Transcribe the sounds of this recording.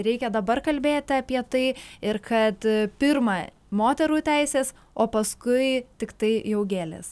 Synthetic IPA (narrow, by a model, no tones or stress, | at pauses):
ɾʲɛɪkʲɛd̪ɐbɐrkɐlʲbʲeːt̪ʲɪɐpʲiɛt̪ɐɪɪɾkɐt̪pʲɪɾmɐ | moːt̪ʲɛɾuːt̪ʲæɪsʲeːs | oːpɐskʊɪt̪ʲɪkt̪ɐɪjɛʊɡʲeːlʲḛs